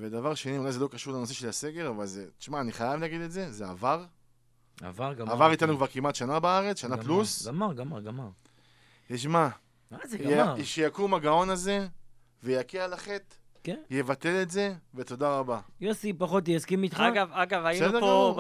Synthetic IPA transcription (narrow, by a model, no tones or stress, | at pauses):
ved̪avaʁʃe̞niulajzelo̞kaʃuʁlenose̞ʃelhase̞ɡe̞ʁavalzet̪i̥ʃmaːniχajavlaɡid̪e̞tze̞zea̰vaʁ | a̰vaʁaavaʁit̪anukvaʁkimat̪ʃanabaaʁet͡sʃanaplusɡamaʁɡamaʁɡamaʁ | t̪iʃma | azʃejakumaɡao̞naze̞ | vejakealaχet̪ | kje̞vat̪e̞le̞tze̞ve̞t̪o̞d̪aʁabajosipaχot̪̬jaskimit̪χaɡavaɡavajsede